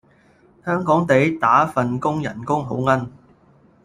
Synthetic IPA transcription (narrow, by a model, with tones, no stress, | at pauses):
hœː˥ŋkɔː˨˥ŋt̪e˨˧˥jt̪aː˨˥fɐ˨nkʊ˥ŋjɐ̰˨˩nkʊ˥ŋɦo̰˨˥wŋɐ˥n